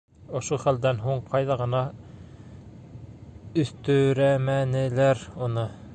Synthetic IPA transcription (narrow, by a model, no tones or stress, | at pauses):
ŏʃoχæld̪ænɦuɴqʰɑjðɑʁɤ̆nɑ | ɵ̆θt̪ɵ̆ɾæmænɘ̆læɾonɤ